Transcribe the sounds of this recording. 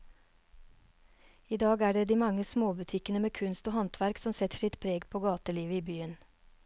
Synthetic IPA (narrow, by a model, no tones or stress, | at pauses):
iːd̪ɑːɡæːɖeːd̪iːmɑŋəsmoːbʉt̪ʰɪkənəmeːkʰʉnst̪oːhɑnt̪ʰʋæɾksɔmsɛt̪ə̥ʃɪt̪pʰɾeːɡpʰoːɡɑːt̪əliːʋəiːbyːən